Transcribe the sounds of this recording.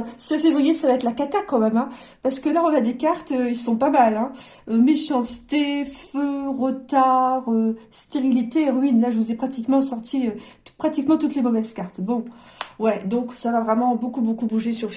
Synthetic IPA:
səfevʁijesavaɛt̪lakat̪akɑ̃mɛmɛ̃paʁsə̥kəlaɔ̃nad̪ekaʁt̪øilsɔ̃pamalɛ̃ | ømeʃɑ̃sə̥t̪eføʁət̪aʁøst̪eʁilit̪eːʁɥinlaʒəvuzɛpχat̪ikmɑ̃sɔʁt̪ʰiø | pχat̪ikmɑ̃t̪ut̪lemɔvɛzkaʁt̪bɔ̃wɛd̪ɔ̃ksavavʁɛmɑ̃bokubokubuʒesyʁ

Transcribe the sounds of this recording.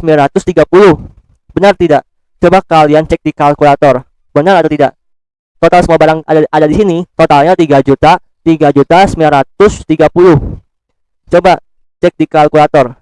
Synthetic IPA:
səmbilanɾat̪ʊst̪iɡapulʊh | bənart̪idaʔ | t͡ʃobakaliant͡ʃɛk̚dikalkulat̪ɔr | bənaɾat̪awt̪idaʔ | t̪ot̪alsəmuabaɾaŋadʔadadisinit̪ot̪alɲat̪iɡad͡ʒut̪a | t̪iɡad͡ʒut̪asəmbilanɾat̪ʊst̪iɡapulʊh | t͡ʃoba | t͡ʃɛk̚dikalkulat̪ɔr

